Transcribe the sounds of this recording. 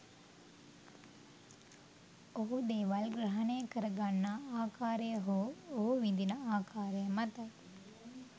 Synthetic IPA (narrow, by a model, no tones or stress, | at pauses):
oɦud̪eːʋɐlɡɾɐɦɐnejəkəɾɐɡanːaaːkʰaːɾejəɦooɦuʋind̪inəaːkʰaːɾejəmɐt̪ɐj